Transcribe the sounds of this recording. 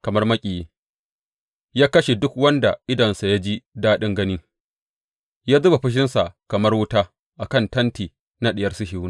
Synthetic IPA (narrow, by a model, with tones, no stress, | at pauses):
kɐ˨mɐ˦rmɐ˦kʲʼi˨jeː˦ | jaː˦kɐ˦ʃe˨dʊ˦kwɐ˦nda˨ʔɪ˦dɐ˨nsa˨ja˦d͡ʒi˦daː˦ɗɪ˦ŋɡɐ˦nɪ˦ | jaː˦zʊ˦ba˨ɸɪ˦ʃ̬ɪ˦nsa˨kɐ˨mɐ˦rwʊ˦taː˦ | ʔa˨kɐ˦˨ntɐ˦ntiː˨ | na˦ɗɪ˨jɐ˦rsɪ˦ʃi˨wʊ˦n˨